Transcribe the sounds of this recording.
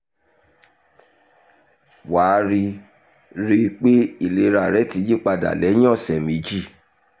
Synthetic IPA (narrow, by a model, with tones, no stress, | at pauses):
wa˨˦ɾi˧ | ɾi˧k͡pe˦i˦˨le˨˦ɾa˨ɾɛ˦ti˨˧˦d͡ʒi˦˨k͡pa˧da̰˨lɛ˨˦j̃ɔ̃˦˨sɛ˨mĩ˨˦d͡ʒi˦˨